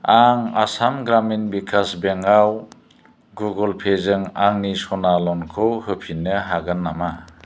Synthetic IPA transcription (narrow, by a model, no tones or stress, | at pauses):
aŋasamɡɾaminbikʰasbeŋaw | ɡuɡɯlpʰezɯŋaŋnisɔnalɔnkʰɯwhɯpʰinːɯɦaɡɯnːama